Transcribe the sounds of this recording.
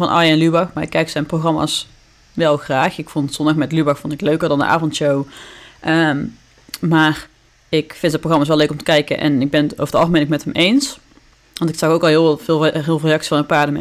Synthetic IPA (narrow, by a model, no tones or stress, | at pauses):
vɑnʔɑ̰ːjɛnlybɑxmaːɹɪkːɛjksɛjnproχrɑma̰ːs | ʋɛlˠxraːxɪkfɔntsɔndɑxmɛtlybɑxfɔntɪkløɥkəɹdɑndə̰ʔa̰ːvɔntʃowʔə | maːr | ɪkfɪntdətproxrɑmaːs̬ʋɛløɥkɔmtə̥kɛjkə̰nʔɛ̰nɪɡ̚bɛno̰əɹdəɑlˠxəmenɪkmɛtɦəmʔejns | ʋɑntɪksɑxowkɑlˠɦɪvɪːlˠrevrejɑksi̥sfɑnəpaːɹdəmɛ̰